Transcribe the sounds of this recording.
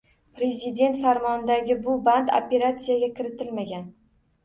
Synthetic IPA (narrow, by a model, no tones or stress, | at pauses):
pɾe̞zɪd̪e̞nt̪faɾmɒnɪd̪aɡʲɪbʊband̪o̰pe̞ɾat̪sijaɡʲakʲʰɪɾɪt̪ʰɪlmaɡʲan